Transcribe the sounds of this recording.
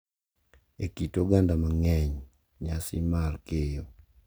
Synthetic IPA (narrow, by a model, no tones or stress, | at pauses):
ekitoɡandamaŋɛɲ | ɲasɪmarkejo